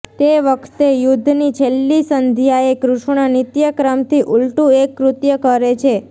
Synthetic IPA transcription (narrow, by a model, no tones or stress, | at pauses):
t̪eʋəkʰt̪ejud̪ʱːnit͡ʃʰelːisənd̪ʱjaekɾʊʃɳənit̪jəkɾəmt̪iʔulʈũekːɾʊt̪jəkəɾet͡ʃʰe